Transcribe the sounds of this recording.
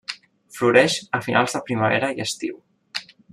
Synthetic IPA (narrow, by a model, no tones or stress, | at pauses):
fluɾɛʃəfinʔa̰lˠzðəpɾiməβɛɾəiəst̪ḭw